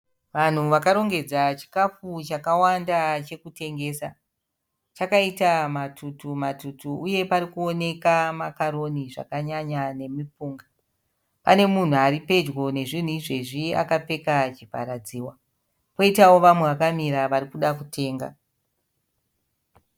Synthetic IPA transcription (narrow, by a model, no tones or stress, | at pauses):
ʋan̤uʋakaɾo̞ŋɡe̞d͡zat͡ʃi̥kafut͡ʃakawandat͡ʃe̞kute̞ŋɡe̞ːsa | t͡ʃakaitamatʰutumatutuuje̞paɾikuo̞ne̞kamakaɾo̞niʐa̰kaɲaɲane̞mip͡fuːŋɡa | pane̞mun̤uaɾipe̞d͡ʒɡo̞ne̞ʐin̤uiʐe̞ʐia̰kap͡fe̞kat͡ʃipa̰ɾad͡ziːwa | po̞itawo̞ʋamwe̞ʋakamiɾaʋaɾikuɗakutʰe̞ːŋɡa̰